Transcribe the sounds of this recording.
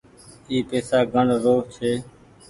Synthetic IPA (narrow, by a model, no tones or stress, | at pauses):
iːpeːsaːɡəɳɾoːt͡ʃʰeː